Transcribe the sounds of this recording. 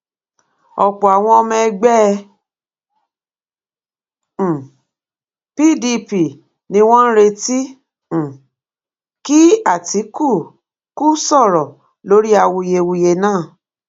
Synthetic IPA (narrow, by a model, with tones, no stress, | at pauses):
ɔ˨k͡pɔ˨a˨w̃ɔ̃˧ɔ˧mɛ̃˧ɡ͡bɛ˦˧˨ | pi˦˨di˧pi˨ | nĩ˧w̃ɔ̃˦n̩˦ɾe˧tĩ˦˨ | ki˦a˦˨ti˨˦ku˦˨ | ku˦sɔ˦˨ɾɔ˨ | lo˨˦ɾi˦a˧wu˧je˧wu˧je˧nãː˦˨